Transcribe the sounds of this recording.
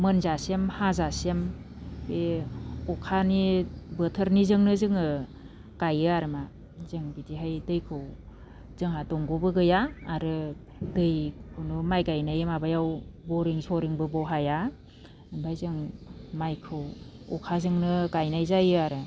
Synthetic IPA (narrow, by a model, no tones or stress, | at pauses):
mɯnzasemhazasem | beɔkʰanibətʰəɾnizɯŋnɯzɯŋɯ | kajɯaɾɯma | zɯŋbitiɦajdɯjkʰɯw | z̥ɯŋɦadɔŋɡɔbɯɡɯjaːɾɯ | dɯjkʰunumajɡajnajɯmabajawbɔɾiŋsɔɾiŋbɯbɔɦaja | bajzɯŋmajkʰɯw | ɔkʰazɯŋnɯkajnajzajɯaɾɯ